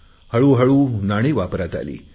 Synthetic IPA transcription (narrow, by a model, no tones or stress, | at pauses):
həɭuːɦəɭuːnaɽ̃iʋapɾat̪a̰lḭː